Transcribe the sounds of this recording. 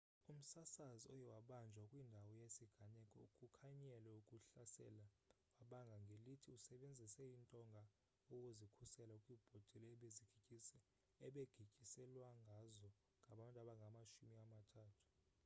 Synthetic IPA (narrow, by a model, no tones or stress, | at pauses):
um̩sasaziɔjɛwaɓand͡ʒʱwakʼwindʱawɔjesiɡ̥ʱanɛkʼɔ̰ukʼukʰaɲɛlɛukʼuɬasɛ̰la | waɓaŋɡʱaŋɡʱelitʰiusɛɓend͡zʱisɛintʼɔŋɡʱa | okʼuzikʰusɛlaukʼwib̥ʱɔd̥ʱɛlɛɛɓeziɡ̥ʱikʼisɛ | ɛɓeɡ̥ʱikʼisɛlwaŋɡʱazɔ | ŋɡʱaɓantʼaɓaŋɡʱamaʃumiamatʰaːtʰu̥